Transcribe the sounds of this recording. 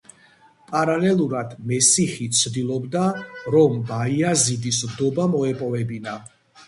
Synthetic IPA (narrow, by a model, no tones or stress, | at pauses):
pʼaɾalɛlˠuɾad̪mɛsiχit̪sʰd̪ilˠɔbd̪aɾɔmbaiazid̪is̬md̪ɔbamɔɛpʼɔvɛbina